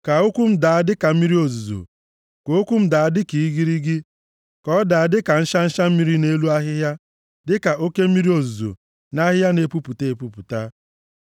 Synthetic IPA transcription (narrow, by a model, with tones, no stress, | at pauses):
ka˨o˦kʷu˦m̩˦da˨a˦dɪ˦ka˨m̩˦mi˦ɾi˦o˨zu˨zo̰˨ | ko˨o˦kʷu˦m̩˦da˨a˦dɪ˦ki˨i˦ɡi˦ɾi˦ɡɪ˦ | kɔ˦da˨a˦˨dɪ˦ka˨n̩˦ʃa˦n̩˦ʃa˦m̩˦mi˦ɾi˦ne˦lu˦a˦ɦɪ˦ɦja˦ | dɪ˦ka˨ʔo˦ke˦m̩˦mi˦ɾi˦o˨zu˨zo̰˨ | na˦ɦɪ˦ja˦ne˨pu˦pu˨te˦˨e˨pu˨pu˨ta˦